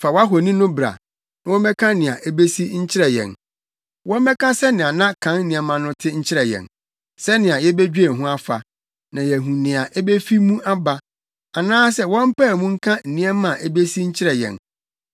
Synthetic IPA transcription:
fa˨wa˦ɦɔ˨nĩ˦nʊ̃˦bɾa̰˨ | nã˨wɔ˦mɛ̃˦kʰã˦nɪ̃˨a˨ʔe˦be˦si˦ɲ̩˦t͡ɕʰɪ˦ɾɛ˨jɛ̰̃˨n | wɔ̃˦mɛ˦kʰã˦sɛ˦nɪ̃˨a˨nã˦kʰã˨˦n̩˦nĩ˦ɛ˨mã˨nʊ̃˦tʰɪ˦ɲ̩˦t͡ɕʰɪ˦ɾɛ˨jɛ̰̃˨n | sɛ˦nɪ̃˨a˨jɛ˦be˦d͡ʑᶣe˨ɦʊ̃˦a˦fa̰˨ | nã˨jɛ˨ɦũ˨nɪ̃˨a˨ʔɛ˦be˦fi˦mũ˦ʔa˦ba˨ | a˨nãː˦sɛ˦wɔ̃˦m̩˦pɛ˦˨mũ˦ŋ̩˦kʰã˦n̩˨nĩ˦ɛ˦mã˨ʔe˦be˦si˦ɲ̩˦t͡ɕʰɪ˦ɾjɛ̰̃˨n

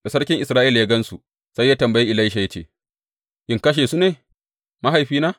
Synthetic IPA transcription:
da˨sɐ˦ɽkʲɪ˦ŋʔɪ˨sɾaː˦ʔi˦ljaː˦ɡɐ˦nsu˨ | sa˦jːaː˦tɐ˨mbɐ˨jiː˦ʔɪ˨la˦i˦ʃ̬a˨jɐ˦t͡ʃḛː˨ | ʔɪ˦ŋkɐ˦ʃ̬eː˨su˦neː˨ | ma˦ɦa˨jɸiː˦naː˦

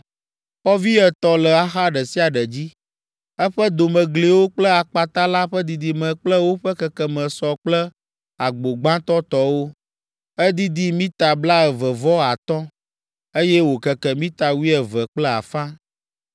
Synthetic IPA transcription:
xɔ˦vi˦ɛ˨t̪ɔ˨lɛ˨a˨xa˦ɖɛ˨si˦a˨ɖɛ˨d͡ʑi˦ | ɛ˦ɸə˦d̪o˨mə̃˨ɡle˨wo˦k͡plə˦a˨k͡pa˨t̪a˦la˦ɸɛ˦d̪i˨d̪i˨mɛ̃˨k͡plə˦wo˦ɸɛ˦kɛ˨kɛ˨mə̃˨sɔ˨k͡plə˦ | a˨ɡ͡bo˨ɡ͡bã˦t̪ɔ˦t̪ɔ˨˦wo˦ | ɛ˦d̪i˦d̪i˦mĩ˦t̪a˨bla˦ɛ˨və˨vɔ˦a˨t̪ɔ˦ | e˦jɛ˦wo˨kə˨kɛ˨mĩ˦t̪a˨wi˦ɛ˨və˨k͡plɛ˦a̰˨fã˦

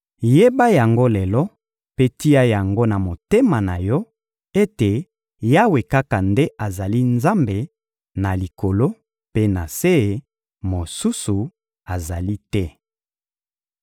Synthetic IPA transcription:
je˦ba˦ja˨ŋɡo˦lɛ˨lɔ˦ | pe˦ti˦ja˦ja˨ŋɡo˦na˨mo˨te˦ma˨na˨jɔ˦ | e˦te˨ | ja˦we˨ka˦ka˨nde˦ʔa˨za˨li˦nza˦mbe˨ | na˨li˨ko˨lo˦ | pe˦na˨se˦˨ | mo˨su˦su˨ | a˨za˨li˦tɛ˦

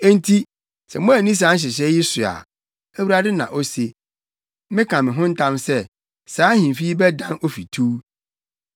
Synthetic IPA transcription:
ɛ˦n̩˦tʰi˦ | sɛ̰˨mʊ̃˦æ˨nĩ˦s̬ãː˨˦n̩˦ɕ̬ɪ˨ɕ̬ɛ˦jɪ˦sʊ˨a̰˨ | æ˦˨wu˨ɾa˦dɪ˦nã̰˨ʔo˦se˨ | mɪ̃˦kʰã˨mɪ̃˨ɦʊ̃˦n̩˦tʰã˦msɛ˦ | saː˨˦hĩ˨m˨fi˦bɛ˦dã˦no˦fi˨tʰuː˦

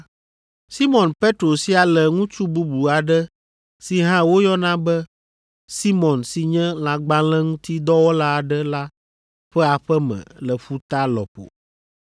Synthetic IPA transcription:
si˦mɔ̃˨npe˦t̪ɾo˨si˦a˨lɛ˨ŋũ˦t͡ʃu˦bu˦bu˨a˨ɖɛ˦ | si˨ɦã˦wo˦jɔ˦nã˦bɛ˦ | si˦mɔ̃˨nsi˨ɲɛ̃˦l̃ã˨ɡ͡ba˦lɛ̃˦ŋũ˦t̪i˦d̪ɔ˦wɔ˦la˦a˨ɖɛ˦la˦ | ɸɛ˦a˨ɸɛ˦mɛ̰̃˨lɛ˨ɸu˦t̪a˦lɔ˨po̰˨

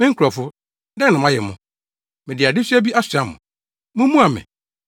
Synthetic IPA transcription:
mɪ̃˦ŋ̩˦kʰɔ˨fʊ˦ | dɛ̃˦nã˨mã˦jɛ̰˨mʊ̃˦ | mɪ̃˨dɪ˨a˨dɪ˦si˦æ˦bi˦ʔa˦sa˨mʊ̰̃˨ | mʊ̃˦mũ˦a˨mɪ̰̃˨

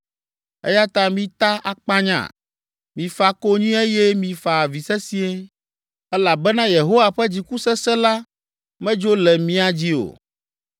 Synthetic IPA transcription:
ɛ̰˦ja˦t̪ã˦mĩ˦t̪a˦ʔa˨k͡pa˦ɲã̰˨ | mĩ˨fa˨ko˦ɲĩ˦e˦jɛ˦mĩ˨fa˨vi˨sɛ˦si˦e˦ | ɛ˦la˨bɛ˦nã˦je˨ɦo˦wa˨ɸɛ˦d͡ʑi˨ku˦sɛ˦sɛ˦la˦ | mɛ̃˦d͡ʒo˦lɛ˨mĩ˦a˨d͡ʑi˦o̰˨

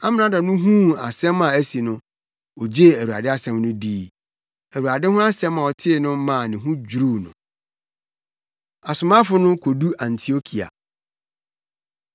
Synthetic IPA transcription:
a˦mɪ̃˨nã˨˦da˨nʊ̃˦ɦũ˦a̰˨sɛ̃˦mã˨æ˦si˨nʊ̃˦ | ɔ˨d͡ʑe˦˨æ˨u˨a̰˨dɪ˦a˦sɛ̃˦mnʊ̃˦diː˦ | æ˨wu˨a˨dɪ˦hʊ̃˦a˦sɛ̃˦mã˨ɔ˨tʰɪ˦˨nʊ̃˦mã˦˨nɪ̃˨ɦũ˦d͡ʑᶣu˨ɾu˦nʊ̰̃˨ | a˨sʊ˨mã˦fʊ˦nʊ̃˦kʰo˨du˦ʔã˨ntʰi˨o˦kʰi˨a̰˨

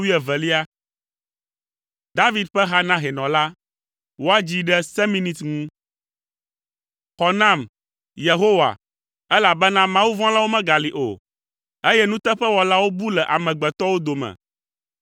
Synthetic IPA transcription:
wi˦ɛ˨vɛ˨li˦a˦ | d̪a˦vi˦d̪̚ɸɛ˦ɦa˦nã˦ɦɛ˨nɔ̃˨la˦ | wo˦a˦d͡ʑi˦ɖɛ˦sɛ˦mĩ˦nĩ˨t̪ŋũ˦ | xɔ˨nã˦˨m | je˨ɦo˦wa̰˨ | ɛ˦la˨bɛ˦nã˦mã˦wu˦vɔ̃˦la˦wo˦mɛ̃˦ɡa˨li˨ʔo̰˨ | e˦jɛ˦nũ˦t̪ɛ˦ɸɛ˦wɔ˨la˦wo˦bu˦lɛ˨ʔa˨mɛ̃˨ɡ͡bɛ˨t̪ɔ˦wo˦d̪o˨mɛ̰˨

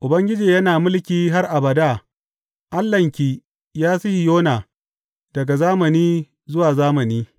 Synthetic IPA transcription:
ʔʊ˨bɐ˦ŋɡʲɪ˦d͡ʒiː˨jɐ˦naː˨mʊ˦lkʲiː˦ɦa˦rʔa˨bɐ˨daː˦˨ | ʔa˦lːɐ˨ŋkʲiː˦ | jaː˦sɪ˦hi˨joː˦naː˨ | d̥ɐ˨ɡa˨zaː˦mɐ˨niː˦ | zʊ˦waː˨zaː˦mɐ˨niː˦

